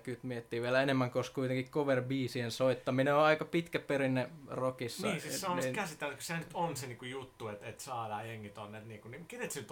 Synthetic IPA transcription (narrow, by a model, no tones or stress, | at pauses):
kyt̪miet̪ːiːʋiælæenemːæŋkoskuit̪eŋkikkoʋerbiːsiensoit̪ːɑmineoɑikɑpit̪kæperinːerokisnːɑiːsissɑnoskæsit̪ːeæt̪ky̥sehænyt̪onseniːŋkujut̪ːuet̪et̪sɑːlɑːjeŋːit̪onːet̪niːkunikenet̪senyt̪